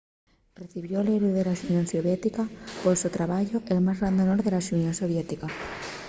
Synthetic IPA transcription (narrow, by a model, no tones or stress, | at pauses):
reθiβjoleβiðelaʃunjonsoβjet̪ikapolsut̪ɾaβaʎoʔelmazrand̪onoɾðelaʃunjonsoβ̞jet̪ika